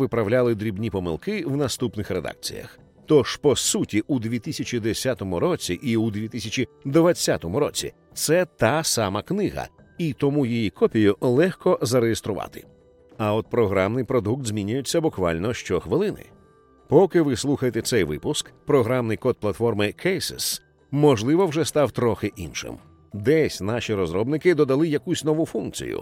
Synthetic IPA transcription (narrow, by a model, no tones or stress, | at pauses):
ʋɪpɾɐwlʲalˠɪd̪ɾʲibnʲipɔmɪ̰lˠkɪwnɐst̪upnɪxɾed̪a̰k̚t͡sʲḭjɐ̰x | t̪ɔʃpɔsutʲiʔud̪ʋʲit̪isʲɐt͡ʃʲid̪esʲat̪ɔmʊɾɔt͡sʲiʔiud̪ʲʋʲit̪ɪsʲɐt͡ʃʲid̪ʋɐt͡sʲːat̪ɔmʊɾɔt͡sʲḭ | t̪sɛt̪ɑsamɐknɪɦɐ̰ | it̪ɔmujijikɔpʲijʊlˠɛxkɔzɐɾejest̪ɾʊʋɑ̰t̪ɪ̥̰ | ɐɔt̪̚pɾɔɦɾamnɪjpɾɔd̪uk̚t̪zʲmʲinʲʊjʊt͡sʲːɐbʊkʋa̰lʲnɔʃt͡ʃɔxʋɪlˠɪnɪ̰ | pɔkɪʋɪslˠuxɐjet̪ɛt̪sɛjʋɪ̰pʊskpɾɔɦɾamnɪjkɔd̪̚plˠɐt̪fɔrmɪkʰɛjsḛs | mɔʒlˠɪʋɔwʐɛst̪ɑwt̪ɾɔxɪʔinʃɪ̰m | d̪ɛsʲnaʃʲiɾɔzɾɔbnɪkɪd̪ɔd̪ɐlˠɪjɐkusʲnɔʋufunk̚t͡sʲḭjʊ̰